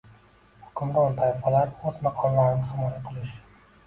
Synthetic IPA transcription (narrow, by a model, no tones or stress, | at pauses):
hʊ̥kʰʊmd̪aʊt̪ʰajɪfalaɾɵzmaqʰɒlˠlaɾɪnɪχɪmɒjaqʰɨlˠɪʃ